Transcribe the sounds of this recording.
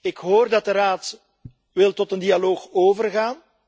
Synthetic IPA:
ɪkɦoːrdɑt̚dəɾaːt | ʋɪlˠtɔtəndialoːxoːvərɣaːn

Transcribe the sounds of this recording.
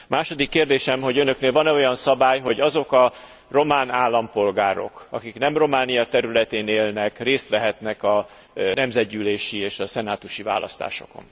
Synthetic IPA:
maːʃo̞d̪ikːeːrd̪eːʃɛmɦo̞ɟønø̞kneːlvɒnɛo̞jɒnsɒbaːjɦo̞ɟɒzo̞kɒ | ro̞maːnaːlːɒmpo̞lɡaːɾo̞̰kɒ̰kiknɛmro̞maːnijɒt̪ɛɾylɛt̪eːneːlnɛkreːst̪ʋɛɦɛt̪nɛkɒ | nɛmzɛd̪ɟyːleːʃieːʃɒsɛnaːt̪uʃiva̰ːlɒ̰st̪a̰ːʃo̞̰ko̰n

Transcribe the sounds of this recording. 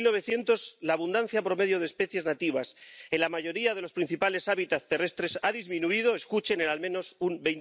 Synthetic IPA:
lno̞β̞e̞θje̞nt̪o̞zlaːβund̪an̟θjapɾo̞me̞ðjo̞ð̞espe̞θje̞znat̪iβ̞aselamaʝo̞ɾiaðe̞lo̞spɾin̟θipale̞saβit̪at̪e̞re̞st̪ɾe̞saðizmĩnuið̞o̞e̞skut͡ʃe̞nenalmẽno̞sumbejn

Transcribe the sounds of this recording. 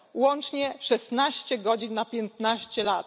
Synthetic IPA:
wɔnt͡ʂɲɛʂɛst̪naɕt͡ɕɛɡɔd͡ʑinːapʲjɛnt̪naɕt͡ɕɛlat̪

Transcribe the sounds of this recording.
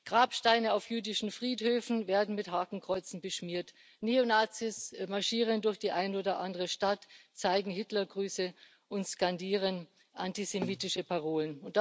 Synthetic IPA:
ɡ̥ʁaːpʃtaɪnəaʊfjyːdɪʃn̩fʁ̥iːthøːfn̩veːɐdn̩mɪtɦaːkŋ̩kʁ̥ɔʏt͡sn̩bəʃmiːɐt | neonaːt͡sismaɐʃiːʁ̞əndʊɐçd̥iːʔaɪnoːdɐʔandəʁəʃtatt͡saɪɡŋ̩ɦɪtlɐɡʁyːsə | ʔʊntskandiːʁən | ʔantizemiːtɪʃəpʰaʁoːlənʊnt̚d̥

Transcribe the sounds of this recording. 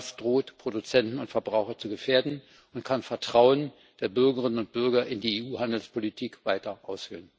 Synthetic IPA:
sd̥ʁoːtpʁ̥odut͡sɛntn̩ʊntfɛɐbʁaʊxɐt͡suɡəfeːɐdn̩ | ʔʊntkʰanfɛɐtʁ̥aʊən | d̥eːɐbʏɐɡəʁɪnənʊnt̚b̥ʏɐɡɐʔɪndiːeːʔuːɦandl̩spʰolitʰiːkv̥aɪtɐʔaʊsfølən

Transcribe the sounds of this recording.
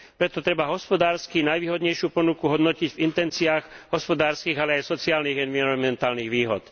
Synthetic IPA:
pɾɛt̪ɔt̪ɾɛbaɦɔspɔd̪aːɾskinajʋiːɦɔd̪ɲɛjʃɪupɔnukuɦɔd̪nɔciɟvint̪ɛnt͡siaːɣɦɔspɔd̪aːɾskiːɣalɛajsɔt͡siaːlniɣɛnʋiɾɔnmɛnt̪aːlniːɣʋiːɦɔ̰t̪

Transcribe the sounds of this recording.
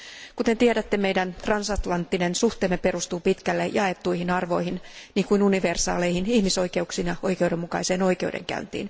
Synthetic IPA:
kut̪ent̪ieɾæt̪ːemejdænt̪rɑnsɑt̪lɑnt̪ːinensuht̪e̞ːmːepe̞rust̪uːpit̪kælːejɑe̞t̪ːuihinɑrʋo̞ihinniːŋkuinuniʋe̞rsɑ̰ːlejhinihmiso̞jke̞uksiːnjɑo̞jkeuwdemːukɑ̰ise̞ːno̞jke̞udḛŋkæ̰ynt̪ḭːn

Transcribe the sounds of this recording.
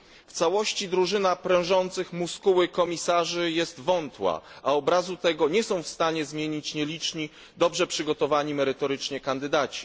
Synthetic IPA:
ft̪sawɔɕt͡ɕid̪ɾuʐɘnapɾɛ̃w̃ʐɔnt̪sɘxmuskuwɘkɔmʲisaʐɘjɛst̪vɔnt̪wa̰ʔaɔbɾazut̪ɛɡɔɲɛsɔ̃w̃fst̪aɲɛzmʲjeɲit͡ɕɲɛlʲit͡ʂɲi | d̪ɔbʐɛpʂɘɡɔt̪ɔvaɲimɛɾɘt̪ɔɾɘt͡ʂɲɛkand̪ɘd̪at͡ɕi̥

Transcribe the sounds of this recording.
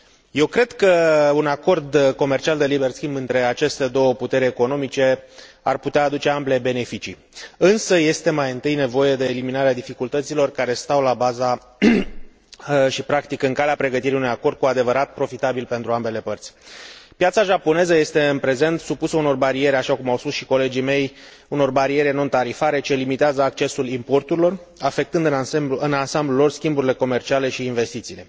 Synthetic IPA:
je̞wkɾe̞d̪kəunako̞rd̪ko̞me̞rt͡ʃiald̪e̞libe̞rskʲimbɨnt̪ɾe̞at͡ʃe̞st̪e̞d̪o̞wəput̪e̞ɾʲeko̞no̞mit͡ʃe̞ | a̰rput̪eaːd̪ut͡ʃe̞amble̞be̞ne̞fit͡ʃḭ | ɨnsəje̞st̪e̞majɨnt̪ɨjne̞vo̞je̞d̪e̞ːliminaɾead̪ifikult̪ət̪silo̞rkaɾe̞st̪awlabaza | ʃipɾakt̪ikɨŋkaleapɾe̞ɡət̪iɾiunujako̞rd̪̥̚kuad̪e̞vəɾat̪̚pɾo̞fit̪abilpe̞nt̪ɾuambe̞le̞pərt̪sʲpjat̪saʒapo̞ne̞zəje̞st̪e̞ɨnpɾe̞ze̞nt̪supusəuno̞rbaɾie̞ɾʲaʃakumawspusʃi̥ko̞le̞d͡ʒime̞j | uno̞rbaɾie̞ɾeno̞nt̪aɾifaɾe̞t͡ʃe̞limit̪eazəak̚t͡ʃe̞sulimpo̞rt̪uɾilo̞r | afe̞k̚t̪ɨnd̪ɨnansamblulo̞rskʲimbuɾile̞ko̞me̞rt͡ʃiale̞ʃiːnve̞st̪it̪siːle̞

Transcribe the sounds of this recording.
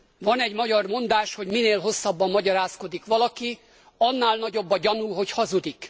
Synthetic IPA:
vɒnɛɟmɒɟɒrmo̞nd̪aːʃho̞ɟmineːlɦo̞sːɒbːɒmːɒɟɒɾaːsko̞d̪ikʋɒlɒki | ɒnːaːlnɒɟo̞bːɒɟɒnuɦo̞chɒzud̪ik

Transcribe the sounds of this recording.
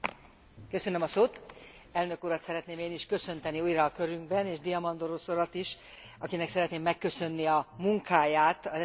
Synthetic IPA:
køsø̞nømɒsoːt̪ | ɛlnø̞kuːɾɒt̪sɛɾɛt̪neːmeːniʃkø̞sø̞nt̪ɛniuːjrɒːkø̞ɾyŋɡbɛneːʒd̪iɒmɒnd̪oɾosoɾɒt̪iʃ | ɒkinɛksɛɾɛt̪neːmːɛkːø̞sø̞nːiɒmuŋkaːjaːt̪ɒzɛ

